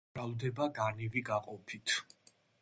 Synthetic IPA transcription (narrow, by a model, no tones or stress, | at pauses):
ald̪ɛbaɡaniviɡaqʼɔpʰit̪ʰ